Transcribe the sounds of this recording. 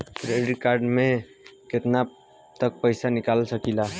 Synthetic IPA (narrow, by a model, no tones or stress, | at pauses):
ɾeɖikaɾɖme | ket̪na | t̪ək̚pəjsanikalsəkila